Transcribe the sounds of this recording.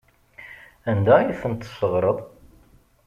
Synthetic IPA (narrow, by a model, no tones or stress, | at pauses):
ænd̪æjiθənt̪ːsəʁɾˤəðˤ